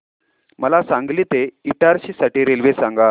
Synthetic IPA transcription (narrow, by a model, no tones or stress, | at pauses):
məlasãŋɡliːt̪eiʈaɾɕiːsaʈiːɾelʋesãŋɡa